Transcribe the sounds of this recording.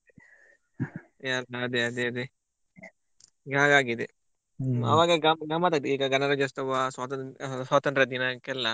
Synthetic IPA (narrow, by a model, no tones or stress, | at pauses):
jalːɐːd̪eɐd̪eɐd̪e | ɡaːɡaːɡid̪e | ɐ̰ʋaːɡɐɡamɡɐmat̪ɐd̪iːɡɐɡɐnɐɾɐd͡ʒɐst̪ɐʋaswaːt̪ɐnswaːt̪ɐnʈɾɐd̪inakɛlːa